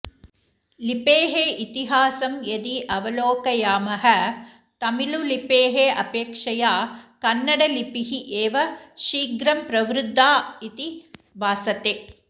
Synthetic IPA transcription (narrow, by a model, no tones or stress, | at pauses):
lipeːɦeʔit̪iɦaːsɐmjɐd̪iʔɐʋɐloːkɐjaːmɐɦɐ | t̪ɐmilulipeːɦeʔɐpeːkʂɐjaːkɐnːɐɽɐlipiɦiʔeːʋɐʃiːɡɾɐmpɾɐʋɾud̪ʱːaːit̪i | baːsɐt̪eː